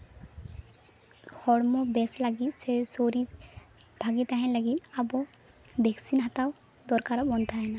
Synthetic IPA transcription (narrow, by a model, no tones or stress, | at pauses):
hɔɽmɔbɛslaɡit̪̚ˀsɛsoɾi | b̥ʱaɡit̪aɦɛ̃laɡit̪̚ˀabɔ | bɛksinɦat̪aw | d̪ɔɾkaɾabɔnt̪ʰaɦɛna